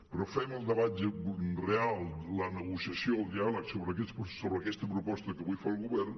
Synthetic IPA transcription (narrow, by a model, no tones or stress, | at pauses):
pɾɔfɛməlˠd̪əβat̪realˠlənəɣusjəsjoəlˠd̪ialəksoβɾəːkɛspsoβɾəkɛst̪əpɾupɔst̪əkəβujfalˠɣuβɛɾn